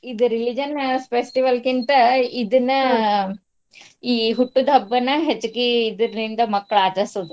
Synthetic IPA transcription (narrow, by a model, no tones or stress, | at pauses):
id̪uɾilid͡ʒɐnspesʈiʋɐlkint̪ɐid̪ɐnːɐ | iːɦuʈːud̪ɐbːɐnːɐɦet͡ʃːukiːd̪ɐɾind̪ɐmɐkːɐɭaːt͡ʃɐːsud̪u